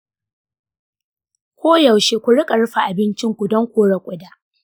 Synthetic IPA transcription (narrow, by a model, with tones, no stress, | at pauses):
kʷoː˦ja˨wʃeː˦kʷʊ˨ɽɪ˦kʼɐ˨ɽɸa˨ʔa˨bɪ˦nt͡ʃɪ˦ŋkʷʊ˨dɔ˦ŋkʷoː˦ɽɐ˨kʷʼʊ˦daː˦ʔ